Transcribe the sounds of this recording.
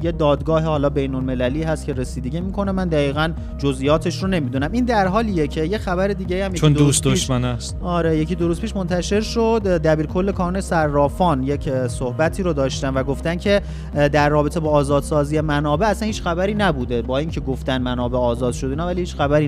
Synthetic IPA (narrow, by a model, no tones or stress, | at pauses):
jed̪ɒːd̪ɡɒːɦehɒːlɒːbe̞jnolme̞læliːɦæst̪cʰe̞ɾe̞siːd̪e̞ɟiːmiːkʰo̞nemænd̪æɣiːɣæn | d͡ʒo̞zʔijɒːt̪ʰe̞ʃrone̞miːd̪unæmind̪æɾɦɒːlijecʰe̞jexæβæɾe̞d̪iːɟeiːæmjend̪usd̪oʃʃmænæst̪ɒːɾejecʰiːd̪oɾuːspiʃmo̞nt̪ʰæʃe̞ɾʃod̪d̪æbiːɾkʰo̞lːe̞kʰɒːnunesæɾːɒːfɒːnjecʰsohbæt̪ʰiːɾod̪ɒːʃt̪ænvæɡo̞ft̪æncʰe̞ | d̪æɾːɒːbe̞t̪ʰebɒːzɒːd̪sɒːzije̞mænɒːbe̞æsænhiːt͡ʃxæbæɾiːnæbuːd̪e̞bɒːiŋcʰe̞ɡoft̪ænmænɒːbe̞ɒːzɒːd̪̥ʃod̪einɒːvælihiːt͡ʃxæbæɾiː